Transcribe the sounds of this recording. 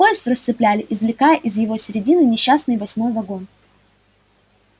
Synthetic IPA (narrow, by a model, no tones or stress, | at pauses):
o̞jɪst̪rəst̪sɨplʲælʲɪʔɪzvlʲɪkajəʔɪzjɪvo̞sʲɪɾʲɪdʲinɨnʲɪɕːasnɨjvɐsʲmo̞jvɐɡo̞n